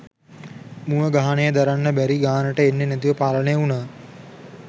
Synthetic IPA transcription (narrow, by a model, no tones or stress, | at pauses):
muəɡaɦanejəd̪aɾanːəbæɾiɡaɦanəʈəenːenæt̪̬iʋəpaːlənejəunaː